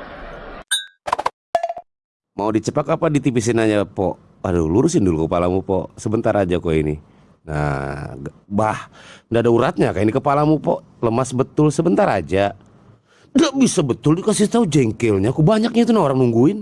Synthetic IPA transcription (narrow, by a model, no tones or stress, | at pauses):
maudit͡ʃəpakapadit̪ipis̬inaɲapɔ̰ʔ | adṵluɾʊsɪndulukəpalamupɔ̰səbənt̪aɾad͡ʒakoḭnḭ | na̰ɡbahndaadauɾat̪̚ɲakainikəpalamupɔʔ | ləmasbət̪ʊlsəbənt̪aɾa̰d͡ʒa | daʔbisabət̪ʊldikas̬it̪aud͡ʒɛŋkɛlɲakubaɲak̚ɲait̪unahoɾaŋnuŋɡuɪn